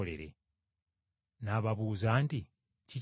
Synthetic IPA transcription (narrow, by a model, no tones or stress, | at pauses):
ole̞̰ɾe̞̰ | naːβaβuːzaːnti | ci